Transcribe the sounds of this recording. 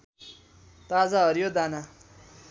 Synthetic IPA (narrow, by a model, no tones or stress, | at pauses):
t̪ad͡zaɦʌɾjod̪ana